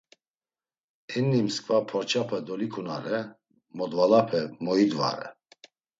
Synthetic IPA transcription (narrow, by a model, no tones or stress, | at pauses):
ɛnːimskʼvapʰɔɾt͡ʃʰʼapʰɛd̪ɔlikʰuna̰ɾɛ | mɔd̪valapʰɛmɔid̪va̰ɾɛ̰